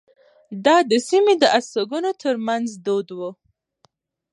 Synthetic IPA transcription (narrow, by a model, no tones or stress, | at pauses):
d̪ɑd̪əsimed̪əʔasaɡunot̪ʰəɾmanzd̪od̪wu